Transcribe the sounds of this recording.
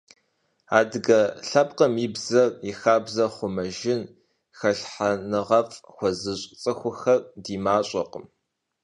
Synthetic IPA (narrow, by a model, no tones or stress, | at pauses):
a̰ːdɨɡɐɬɐp̚ʼqʼɐmibzɐrixaːbzɐχʷʊmɐʒɪn | xɐɬħanɨʁɐfʼxʷɔzɨɕʼt͡sʼɨxʷʊxɐrdiːmaːɕʼɐqəm